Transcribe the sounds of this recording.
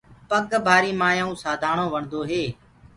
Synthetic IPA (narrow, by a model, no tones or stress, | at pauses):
pəɠbʱaːɾiːmaːjaːũːsaːd̪ʱaːɳoːʋəɳd̪oːɦeː